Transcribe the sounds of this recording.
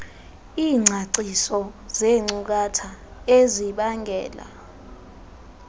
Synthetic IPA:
iːŋ͡ǀʱaǀisɔzeŋ͡ǀuk̬atʰaeziɓaŋɡʱɛːla̰

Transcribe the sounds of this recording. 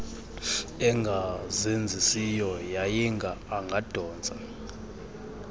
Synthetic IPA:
ɛŋɡʱazend͡zʱisijɔjajiŋɡʱaːŋɡʱad̥ʱɔːnd͡zʱa̰

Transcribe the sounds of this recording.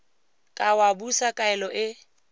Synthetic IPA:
kʼawabusakʼaɛlɔʔɪ

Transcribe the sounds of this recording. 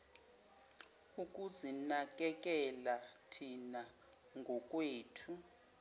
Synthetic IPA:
uk̬ʼuzinak̬ʼɛk̬ʼɛlatʰina | ŋɡʱɔk̬ʼweːtʰu

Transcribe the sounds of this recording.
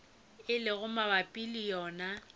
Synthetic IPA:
ɪlɪɣʊmabapʼilijɔːna

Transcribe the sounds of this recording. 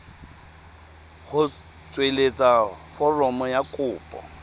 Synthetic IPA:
ɣʊ | t͡sʼwelet͡sʼafɔrɔmɔjakʼʊːpʼɔ̰

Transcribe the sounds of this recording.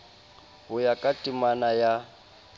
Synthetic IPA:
ɦʊjakʼatʼimanaja

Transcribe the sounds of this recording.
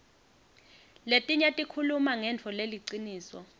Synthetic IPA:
letʼiɲatʼikʰulumaŋɛnt͡fʰɔleliǀiniːsɔ̰

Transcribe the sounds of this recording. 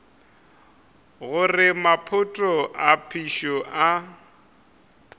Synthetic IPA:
ɣʊrɪmapʰʊtʼɔʔapʰiʃɔʔa

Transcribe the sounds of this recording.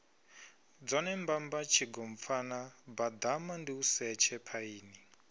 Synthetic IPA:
d͡zɔnɛmbambat͡ʃʰiɡɔɱp̪fanabad̪amandiusɛt͡ʃʰɛpʰaiːni

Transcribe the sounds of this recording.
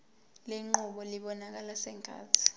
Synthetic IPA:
leŋ͡ǃuɓɔliɓɔnak̬alasɛŋɡʱa̰ːtʰi̥

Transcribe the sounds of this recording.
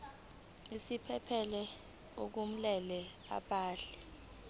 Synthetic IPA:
isipʰɛpʰɛlɛ | ok̬um̩lɛlɛ | a̰ɓʼaːɬɛ

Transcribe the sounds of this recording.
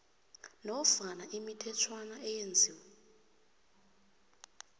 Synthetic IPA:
nɔfanaʔimitʰɛt͡ʃʰwanaɛjend͡zʱiːwɛ

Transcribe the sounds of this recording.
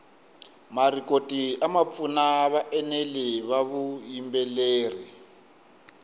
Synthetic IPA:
marikʼotʼiamap̪funaβaʔɛnɛlɛβaβujimbɛleːri

